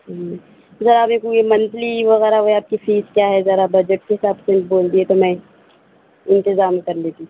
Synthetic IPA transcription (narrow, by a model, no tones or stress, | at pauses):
zɐɾamẽkuemɐnzliʋɐɣɛːɾaʋoeaːp̚kifʰiːskjaːɦɛzɐɾabɐd͡ʒəʈ̚keɦɪsaːbseboːld̪iɦɛt̪omɛ̃ | ɪ̃nt̪ɪzaːmkɐɾleːt̪i